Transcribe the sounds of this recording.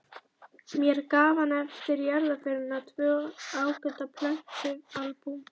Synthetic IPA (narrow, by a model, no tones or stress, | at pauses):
mjɛɾkaːvanɛfst̪ɪɾjaɾðafɪɾɪnat̪ʰvœːaːwkʏt̪apʰlœŋ̥tʏalpu